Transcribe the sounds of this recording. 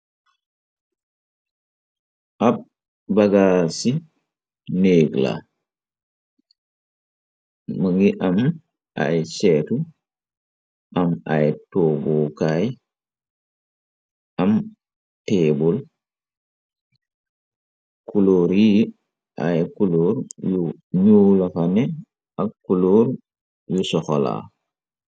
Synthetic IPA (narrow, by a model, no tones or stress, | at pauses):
ʔab̚ | baɡasi | neːɡla̰ | məŋɡiʔam | a̰jt͡ʃetu | ʔama̰jtoːboːkaj | ʔɐm | teːbul | kuloːɾi | ʔa̰jkuloːɾju | ɲulɐfɐnɛ | ʔɐkkːuloːɾ | jusɔxɔla̰